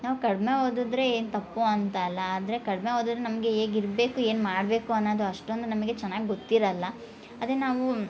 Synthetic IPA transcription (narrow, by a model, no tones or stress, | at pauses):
naːʋukɐɽme̞ɦoːd̪ud̪ɾe̞eːnt̪ɐpːoɐnt̪ɐlːɐaːd̪ɐɾe̞kɐɽme̞ɦoːd̪ud̪ɾenɐmɐɡe̞eːɡiɾbe̞ːkue̞ːnmaːɽbe̞ːkuɐnːoːd̪uɐʂʈond̪unɐmɐɡe̞t͡ʃɛnːaːɡiɡot̪ːiɾɐlːɐː | d̪enaːʋu